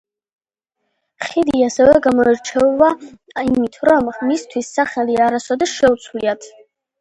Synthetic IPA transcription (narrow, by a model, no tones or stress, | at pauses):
χid̪iasɛvɛɡamɔɛɾt͡ʃʰɛva | imit̪ʰɾɔmmist̪ʰwisːaχɛliaɾasɔd̪ɛʃɛut̪sʰwliat̪ʰ